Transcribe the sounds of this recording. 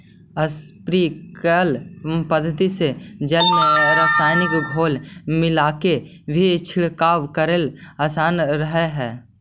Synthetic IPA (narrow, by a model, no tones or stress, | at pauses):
əspɾikəlpəd̪ʱːət̪ised͡ʒəlmeɾaːsaːɪnɪkɡʱoːlmɪlaːke | bʱit͡ʃʰɪɭkaːwkəɾelaːsaːnɾəɦeɦɛː